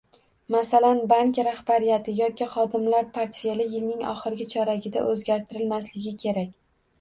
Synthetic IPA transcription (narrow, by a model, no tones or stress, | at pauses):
masalanbaŋkʲɾahbaɾijat̪ʰɪjɒkʲiχɒd̪ɪmlaɾpʰaɾt̪fe̞lɪjɪlnɪŋɒ̰χɨɾɪɡʲɪt͡ʃʰɒɾaɡʲɪd̪a̰ʔɵzɡʲaɾt̪ʰɪɾɪlmaslɪɡʲɪkʲʰe̞ɾakʲ